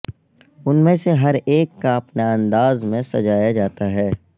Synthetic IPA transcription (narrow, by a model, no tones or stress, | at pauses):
ʊnmẽseɦɐɾeːkːaɐpnaɐ̃nd̪aːzmẽsɐ̰d͡ʒaːjad͡ʒaːt̪aɦɛː